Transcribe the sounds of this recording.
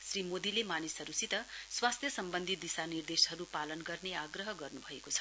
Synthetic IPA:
srimod̪ilemanisʌɾusit̪ʌswast̪ʰjʌsʌmbʌnd̪ʱit̪̚d̪isanird̪esɦʌɾupalʌnɡʌrneaɡrʌɦʌɡʌrnubʱʌekot͡sʰʌ̥

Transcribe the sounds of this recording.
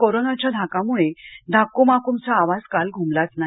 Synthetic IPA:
koɾonat͡ɕjad̪ʱakamuɭed̪ʱakomakumt͡saːʋad͡zkalɡʱumlat͡sna

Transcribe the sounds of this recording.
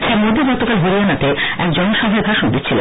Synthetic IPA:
t͡ɕʰaɾmod̪ʱiɡɔt̪okalɦuɾianat̪eɛkd͡ʑɔnoʃɔɦaebʱaʃond̪itːɕʰilḛ

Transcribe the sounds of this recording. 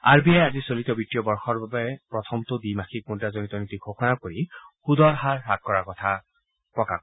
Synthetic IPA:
a̰ɹbijajazisolitɔbitiɔbɔɹxɔɹbabɛpɹɔtʰɔmtʊdimaxik̚kuntazonitɔnitiɡʱoxɔnakoɹixudʱɔɹɦaɹɦakːɔɹakɔtʰa | pɹɔka̰k

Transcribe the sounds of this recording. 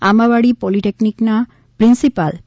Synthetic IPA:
amaβaɽipɔliʈeknikna | pɾinsipal

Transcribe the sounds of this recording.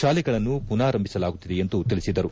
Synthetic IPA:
ʃaːliɡɐɭɐnːupunaːɾɐmbʱisɐlaːɡut̪ːid̪eent̪ut̪iɭisid̪ɐɾu

